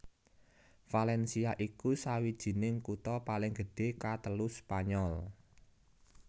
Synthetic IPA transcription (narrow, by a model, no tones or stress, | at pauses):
falɛnsiaʔikusawid̥ʒ̥i̤nɪŋkut̪ɔpalɪŋɡ̥ə̤ɖ̥e̤kat̪əluspaɲɔl